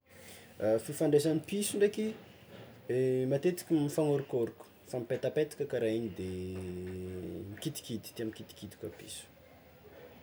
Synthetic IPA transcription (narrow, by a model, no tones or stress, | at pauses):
afifaɳɖ͡ʐesanipisuɳɖ͡ʐeki | emat̪et̪i̥kʲimifaŋoɾukoɾuku̥famipet̪apet̪i̥kʲəkaɾaiɲid̪e | mikit̪i̥kit̪i̥t̪iamikit̪i̥kid̪i̥kapḭsu̥